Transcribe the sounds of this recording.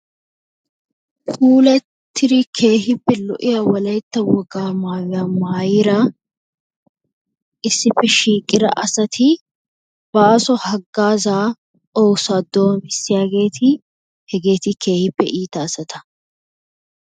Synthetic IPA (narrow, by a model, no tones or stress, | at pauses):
fuːlɛ | t̪ʰːɪɾɪkʰe̞ːhɪpːɛlɔ̰ʔɪjawɔlɐjt̪ːɐwɔɡaːmaːwɪjaːmaːjɪɾɐ | ʔɪsːɪpːɛʃiːkʼːɪɾɐ̰ʔɐsɐt̪ʰɪ | bɐːsɔhɐɡːaːzaː | oːwsaːd̪ːoːnbɪsːɪjaːɡe̞ːt̪ʰɪ | hɛɡe̞ːt̪ɪkʰe̞ːhɪpːɛ̰ʔiːt̪ɐːsɐt̪ʰɐ̥